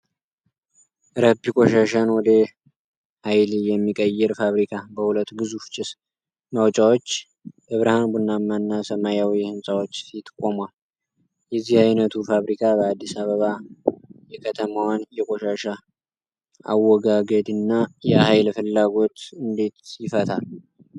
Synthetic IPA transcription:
ɾəbikʼoʃaʃanwɔd̪ə | hajljɛmːikʼəjːɛɾfaβɾikʰabəhulət̪ːɡɨzufɨt͡ʃʼɪs | mawt͡ʃʼawot͡ʃː | ʔɨβɾahanbunːamːanːasəmajawihɨnsʼawot͡ʃːɪt̪kʼomal | jɛzːihajnət̪ʰufaβɾikʰabəad̪ːisaβəβa | jɛkʰət̪ʰəmawanjɛkʼoʃaʃa | a̰wːɔɡaɡəd̪ɨnːajɛhajlfɨlːaɡo̞t̪ɨnd̪e̞t̪jɪfət̪ʰa̰l

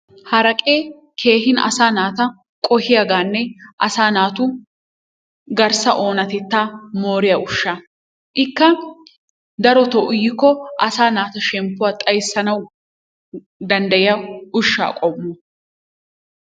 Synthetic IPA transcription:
hɐɾɐkʼeː | kʰe̞ːhɪnɐ̰saːnaːt̪ɐ | kʼɔhɪjaɡaːnːɛʔɐsaːnaːt̪ʊ | ɡɐɾsɐʔo̞ːnɐt̪ɛt̪ːaːmoːɾɪjɐʊʃːa | ʔɪkːɐ | d̪ɐɾɔt̪ɔʔʊjɪkːɔʔɐsaːnaːt̪ɐʃɛmpːʊwaːt̪ʼɐjsːɐnɐw | d̪ɐnd̪ɐjɪjɐʊʃːa̰ːkʼɔmːɔ

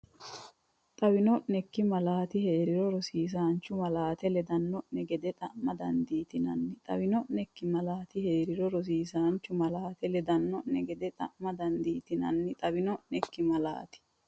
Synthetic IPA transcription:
t̪ʼɐwɪnɔʔnɛkːɪmɐlaːt̪ɪheːɾɪɾɔɾɔsiːs̬aːnt͡ʃːʊmɐlaːt̪ɛlɛd̪ɐnːɔʔnɛɡɛd̪ɛt̪ʼɐʔmɐd̪ɐnd̪iːt̪ɪnɐnːɪt̪ʼɐ̰bɪnɔʔnɛkːɪmɐlaːt̪ɪheːɾɪɾɔɾɔs̬iːsaːnt͡ʃːʊmɐlaːt̪ɛlɛd̪ɐnːɔnːɛɡɛd̪ɛt̪ʼɐʔmɐd̪ɐnd̪iːt̪ɪnɐ̰nːɪt̪ʼɐbɪnɔʔnɛkːɪmɐla̰ːt̪ɪ̥

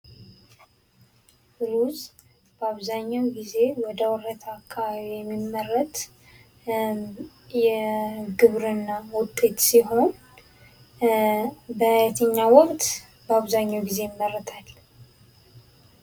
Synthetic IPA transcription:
ɨɾuz | b̥əaβzaɲːawɡize̞wɔd̪əwɔɾət̪ʰakʰʼːaβaβijɛmːimːərːət̪ | jɛɡɨβɾɨnːawʊt̪ʼːe̞t̪siɦo̞n | bəajat̪ʰəɲːawɔkʼt̪ʼ | bəaβzaɲːawɡize̞jɪmːərːət̪ʰal

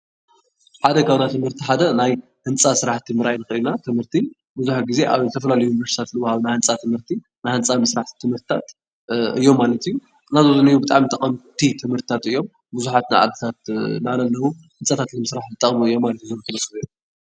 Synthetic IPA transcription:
ħad̪ɐkʰaβnat̪ʰɨmhɨɾt̪ʰiħad̪ɐnaj | hɨnt͡sʼasɨɾaħt̪ʰimɨɾʔajnɨxɾinat̪ʰɨmhɨɾt̪ʰi | buzuħaɡize̞ʔaβzɨt̪ʰɐfɐlalɐjujnivɐɾsi̥t̪ʰat̪lɨwhaβnajhɨnt͡sʼat̪ʰɨmhɨɾt̪ʰi | najhɨnt͡sʼamɨsɾaħi̥t̪ʰɨmhɨɾt̪ʰt̪ʰat̪ | ɨ̰jːo̞mːalɐt̪ʰɨjːu | nazozɨnijubɨt̪ʼaʕmit̪ʰʼɐχʼɐmt̪ʰit̪ʰɨmhɨɾt̪it̪ʰat̪ɨjːo̞m | buzuħat̪najʕa̰d̪ɨt̪ʰat̪nalɐlːɐwu | hɨnt͡sʼat̪ʰat̪lɨmɨsɾaħzɨt̪ʼːɐχʼmuɨjːo̞mːalɐt̪juzɨlːot̪ʰɐbɐsɨj

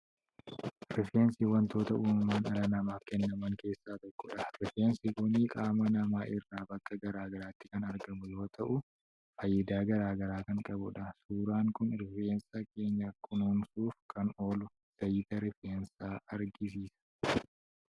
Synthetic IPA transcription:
ɾɪfeːnsɪwɐnt̪o̞ːt̪ɐʔuːmɐmaːnɐlɐnɐmaːfkɛnːɐmɐŋke̞ːsːaːt̪ɔkːɔᶑɐɾɪfeːnsɪkʊniːkʼaːmɐnɐmaːʔɪrːaːbɐkːɐɡɐɾaːɡɐɾaːt̪ːɪ̥kɐnɐɾɡɐmʊjo̞ːt̪ʰɐʔʊ | fɐjːɐd̪aːɡɐɾaːɡɐɾaːkɐŋkʼɐbʊᶑɐsuːɾaːŋkʊnɾɪfeːnsake̞ːɲːɐkʊnoːnsuːfkʰɐno̞ːlʊ | sɐjɪːt̪ɐɾɪfeːnsaːɐɾɡɪs̬iːsɐ̥

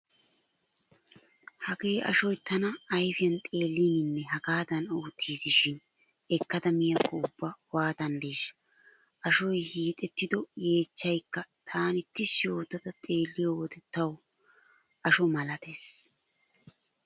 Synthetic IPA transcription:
hɐɡe̞ːʔɐ̰ʃɔjt̪ɐnɐːjfɪjɐnt̪ʼe̞ːlːinɪnːɛɦɐɡaːd̪ɐno̞ːt̪ʰːiːsɪʃɪn | ɛkːɐt̪ɐmɪjɐkːɐʊbːɐwaːd̪ɐnd̪eːʃɐ̥ | ʔɐʃɔjhiːt̪ʼɛt̪ːɪd̪ɔje̞ːt͡ʃːɐjkːɐt̪ʰaːnɪt̪ːɪsːɪjo̞ːt̪ːɐd̪ɐt̪ʼe̞ːlːɪjɔwɔd̪ɛt̪ːɐw | ʔɐʃɔmɐlɐt̪e̞ːs

